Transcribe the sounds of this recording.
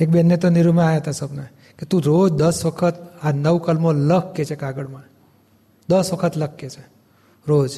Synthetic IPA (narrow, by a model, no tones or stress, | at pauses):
ek̚bɛnːet̪oniɾumãajaɦət̪asəbna | ket̪ũɾod͡ʒd̪əsʋəkʰət̪anəʋkəlmoləkːet͡ʃʰekaɡəɽmã | d̪əsʋəkʰət̪ləkːet͡ʃʰe | ɾod͡ʒ